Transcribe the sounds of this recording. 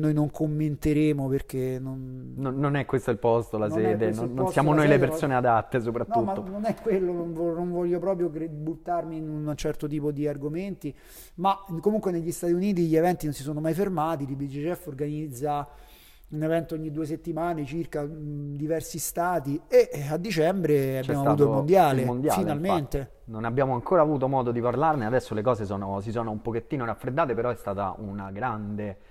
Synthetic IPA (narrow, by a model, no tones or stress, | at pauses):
nojnoŋkʰomːent̪eɾeːmoperk̟enonnonːonɛkːwest̪oilpɔst̪olasɛd̪enonːonssjaːmonojlepeɾsoːnead̪at̪ːes̬opɾat̪nːutmanːonɛkːwelːononvɔnoɱvɔʎːopɾɔːpɾjokɾebut̪ːarminunt͡ʃɛrt̪ot̪̬iːpod̪iarɡoment̪i | makːomuŋkweneʎːist̪at̪iuniːt̪̬iʎːievɛnt̪inonsisoːnomajfermaːt̪id̪ibid͡ʒit͡ʃɛfːorɡanid̪zːa | unevɛnt̪ooɲːid̪uːes̬et̪ːimaːnet͡ʃirkad̪ivɛrsist̪aːt̪iead̪ːit͡ʃɛmbɾeabːamoaut̪oimond̪jaːlemond̪jaːfilnalment̪e | nonabjaːmoaŋkoːɾaːvuːt̪̬omɔːd̪od̪iparlarnead̪ɛsːolekɔːzesɔːnosisɔːnoumpoket̪ːiːnoɾafːɾed̪ːaːt̪epeɾɔɛst̪aːt̪a̰ʔunaɡɾand̪e